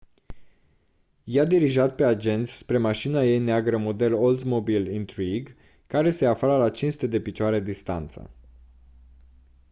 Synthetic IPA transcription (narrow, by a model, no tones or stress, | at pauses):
jad̪iɾiʒat̪̚pe̞ad͡ʒe̞nt̪sʲspɾe̞maʃinaje̞jneaɡɾəmo̞d̪e̞lold̪mobilint̪ɾiɡ | kaɾe̞se̞afaləlat͡ʃinsu̥t̪ed̪e̞pit͡ʃoaɾe̞d̪ist̪a̰nt̪sə̰